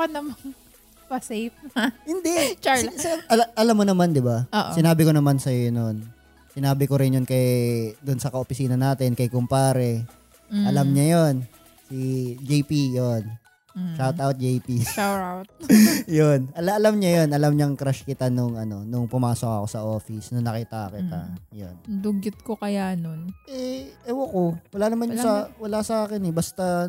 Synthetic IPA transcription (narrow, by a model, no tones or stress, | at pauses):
ɐnɐmɐŋ | pɐsejp̚nɐhɪnd̪ɛt͡ʃasʔɐʔɐlamːonɐmand̪ɪbaoːʔsɪnaːbɪkonɐmansɐjonon | sɪnaːbɪkoɾɪnjʊnkɐjd̪ʊnsɐkɐʔopɪsiːnɐnaːt̪ɪnkɐjkʊmpaːɾɛ | ʔɐlamɲajon | sid͡ʒejpijon | ʃawt̪awt̪̚d͡ʒejpiaawt̪̚jonɐlaʔɐlamɲɐjonʔɐlamɲɐŋkɾaʃkɪt̪anʊŋɐno̞nʊŋpʊmaːsok̚ɐ̰ko̞sɐʔo̞ːfɪsnʊŋnɐkit̪akɪt̪a̰jond̪ʊɡɪt̪̚kokɐjanonʔɛʔɛwɐkowɐlaːnɐmanɲʊsawɐlasɐʔaːkɪnɛbɐst̪a